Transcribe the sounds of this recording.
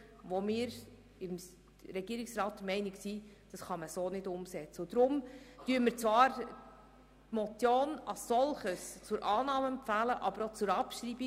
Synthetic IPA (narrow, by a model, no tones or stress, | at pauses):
ʋomɪːɾ | ɪm | ɾɛɡ̥iːɾiksrɑːt̚d̥əmɛɪniksi | d̥ɑsχɑməsoːnɪdʊmsɛt͡səʊd̥̪ɾʊmtyəməɾt͡sʋɑːɾ | tmɔt͡sjoːnɑsːɔlˠχəst͡sʊɾʔɑːnɑːməɛmpfæːləʔɑbəɾot͡sʊɾɑpʃɾibi